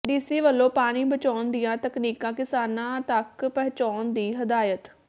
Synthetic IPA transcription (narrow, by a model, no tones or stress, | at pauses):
ɖiːsiːʋəlːõːpaːñiːbət͡ʃaːnd̪ɪjãːt̪əkniːkãːkɪsaːnãːt̪əkpɛːt͡ʃaːnd̪iːɦəd̪aːjət̪